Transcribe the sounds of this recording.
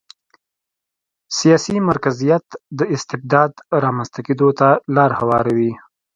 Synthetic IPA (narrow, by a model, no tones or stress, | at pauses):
sijɑsimaɾkazijat̪d̪əɪst̪ɪb̚d̪ɑd̪ɾɑmanst̪aked̪ot̪alɑɾhawɑɾawi